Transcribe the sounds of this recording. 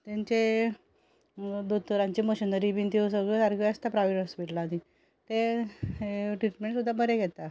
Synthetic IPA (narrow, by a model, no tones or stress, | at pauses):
t̪ãɲt͡ɕe | d̪ut̪ːuɾãɲt͡ɕimoɕinəɾibint̪ʰius̬əɡot̪aɾɡoəst̪apɾaʋiʈəsbiʈlad̪i | t̪e | ʈɾiʈmeɳʈsud̪ʱːabʱəɾeɡʱɛt̪a